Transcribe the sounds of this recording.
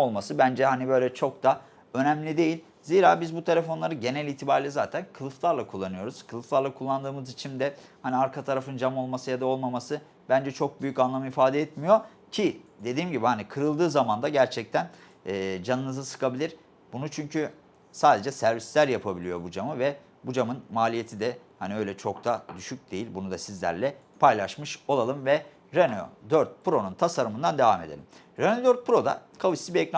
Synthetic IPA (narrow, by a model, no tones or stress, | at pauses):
olˠmasɯbænd͡ʒɛɦanibø̞jlʲɛt͡ʃʰo̞k̚d̪a | ø̞næmlʲid̪e̞jilʲ | ziːɾaːbizbut̪ʰe̞lʲe̞fo̞nlˠaɾɯɟe̞nɛlʲiːt̪ʰibaɾlʲɛzaːt̪ʰænkʰɯlˠɯflˠaɾlˠakʰulˠːanɯjo̞ɾuz̥kʰɯlˠɯft̪lˠaɾlˠakʰulˠːand̪ɯːmɯzit͡ʃʰind̪ɛhaniaɾkʰat̪ʰaɾafɯnd͡ʒamo̞lˠmasɯjad̪ao̞lˠmamasɯ | bænd͡ʒɛt͡ʃʰo̞k̚byjycanlˠamɯifaːd̪ɛɛt̪mijo̞ | cʰid̪e̞d̪iːmɟibihanikʰɯɾɯlˠd̪ɯːzamand̪aɟæɾt͡ʃʰɛc̚t̪ʰænː | d͡ʒanɯnɯzɯsɯ̥kʰabilʲiɾ̥ | bunut͡ʃʰyɲcʰy | saːd̪e̞d͡ʒɛsæɾvislʲæɾjapʰabilʲijo̞bud͡ʒamɯvɛ | bud͡ʒamɯnmaːlʲije̞t̪ʰid̪ɛ | haniø̞jlʲɛt͡ʃʰo̞kt̪ʰad̪yʃyc̚d̪̥ejilʲbunud̪asizlʲæ̰ɾlʲɛ | pʰajlˠaʃmɯʃo̞lˠalˠɯmvɛ | ɾeno̰d̪øɾt̪̚pɾo̞nunt̪ʰasaɾɯmɯnd̪and̪evame̞d̪elʲim | ɾenod̪øɾt̪̚pɯɾo̞d̪a̰kʰavɯsibiɛcna